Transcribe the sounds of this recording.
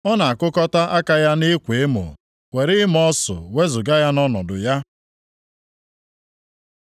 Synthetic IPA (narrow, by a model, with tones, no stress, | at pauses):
ɔ˦na˨a˨kʊ˦kɔ˦ta˦ʔa˦ka˦ja˦nɪ˦kʷe˨e˦mʊ̰˨ | we˨ɾɪ˦m˦ɔ˦sʊ̰˨we˦zʊ˨ɡa˦ja˦nɔ˦nɔ˨dʊ̰˨ja˦